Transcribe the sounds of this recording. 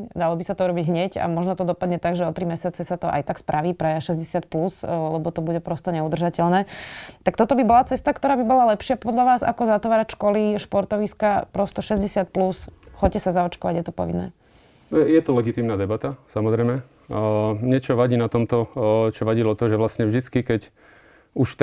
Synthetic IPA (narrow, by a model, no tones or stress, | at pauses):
d̪alɔbisat̪ɔuɾɔbiɟɦɲɛca̰mɔʒnɔt̪ɔd̪ɔpad̪ɲɛt̪aɡʒɛɔt̪ɾimɛsɪat͡sɛsat̪ɔʔa̰jt̪akspɾʔaʋiːpɾɛʃɛzɟɛsɪat̪̚pluslɛbɔt̪ɔbuɟɛpɾɔst̪ɔɲɛud̪r̩ʒacɛʎnɛːt̪akt̪ɔt̪ɔbibɔlat͡sɛst̪akt̪ɔɾaːbibɔlalɛpʃɪapɔd̪ʎaʋaːza̰kɔzat̪ʋaːɾacʃkɔliʃpɔɾt̪ɔʋiskapɾɔst̪ɔʃɛzɟɛsɪat̪̚plusxɔccːɛsazaɔt͡ʃkɔʋaɟjɛt̪ɔpɔ̰ʋinːɛ̰ː | jɛt̪ɔlɛɡit̪iːmnaːd̪ɛbat̪asamɔzɾɛjmɛ | mɲɛt͡ʃɔʋaɟiːnat̪ɔmt̪ɔt͡ʃɔʋaɟilɔt̪ɔʒɛʋlasɲɛvʒd̪it͡skikɛc | uʃt̪